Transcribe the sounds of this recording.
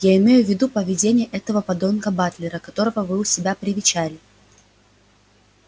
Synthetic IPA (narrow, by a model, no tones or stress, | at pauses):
jaɪmʲejʊvʲːɪd̪upəvʲɪdʲenʲɪjəʔɛt̪əvəpɐd̪o̞nkəbat̪lʲɪɾəkɐt̪o̞ɾəvəvɨʊsʲɪbʲapɾʲɪvʲɪt͡ɕælʲɪ